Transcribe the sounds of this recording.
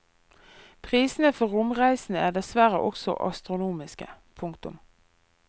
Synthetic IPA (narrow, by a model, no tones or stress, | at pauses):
pʰʁiːsn̩əfɔʁʊmʁæɪsn̩æːd̪ɛsʋæʁə̰ʔɔksɔ̰ʔɑ̰st̪ʁʊnuːmɪskə̰ | pʰʊŋkt̪ʊ̰m